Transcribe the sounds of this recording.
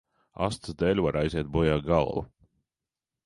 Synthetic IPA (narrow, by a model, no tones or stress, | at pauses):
a̰st̪sd̪ɛlʲvaɾajzʲiɛt̪̚bɔjaːɡalˠvṵ